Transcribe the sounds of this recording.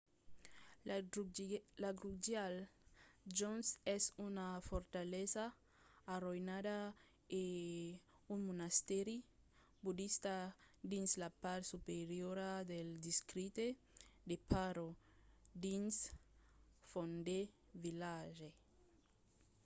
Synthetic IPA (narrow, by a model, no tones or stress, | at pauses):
laɡɾud͡ʒjal | d͡ʒonsɛsunafoɾt̪alezaː | rojnad̪a | e | unmonast̪ɛɾi | bud̪ist̪ad̪inslapaɾsupeɾjoɾad̪eld̪iskɾit̪e | d̪epʰaɾod̪ins | fond̪e | vilaʒe